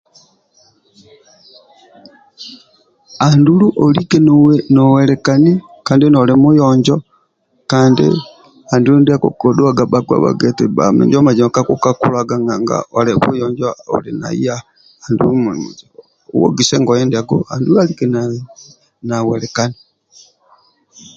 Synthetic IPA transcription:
anduluʔolikenowenowelekani | kaːndinolemujoɲd͡ʒo | kaːndḭ | andulundiakokoduaɡabaɡwa̰βa̰ɡeteba̰mḛɲd͡ʒomad͡ʒimakakukakulaɡaŋɡaŋɡa̰ʔoleβujɔːɲd͡ʒoo̰lina̰ia | andulumulimuzi | wo̰ɡiseŋɡojendaɡoandulualikena | naweɾekani

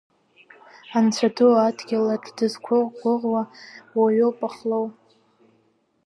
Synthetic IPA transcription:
ant͡sʷʰaduadɡʲaladdɨzkʷʰʊʁɡʷʊʁwawaɥopʼaχlow

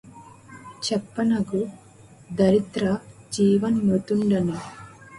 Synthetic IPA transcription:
t͡ʃɛpːɐnɐɡu | d̪ɐɾit̪ɾɐd͡ʒiːʋɐnːut̪uɳɖɐnu

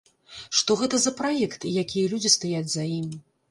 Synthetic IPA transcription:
ʂt̪ɔɣɛt̪ɐzɐpɾajɛkt̪jakʲijɐlʲud͡zʲist̪ajad͡zʲzaimʲ

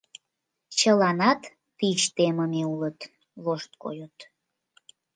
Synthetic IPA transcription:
t͡ɕəlɑnɑt̪ː | it͡ɕt̪eməmeulət̪ | loʃt̪̚ko̰jot̪

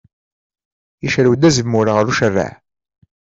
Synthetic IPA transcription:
jiʃɾwəd̪æzəmːʊɾaʁəɾuʃərːa̰ʕ

